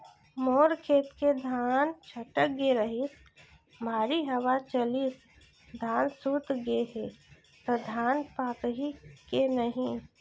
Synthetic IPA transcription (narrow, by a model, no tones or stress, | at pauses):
moːɾkʰeːt̪ked̪ʱaːnt͡ʃʰɐʈək̚ɡeɾəɦit̪ | mʱaːɾiɦɐwat͡ʃəlit̪ | d̪ʱaːnsuːt̪ɡeɦe | t̪əd̪ʱaːnpaːkɦikenəɦĩ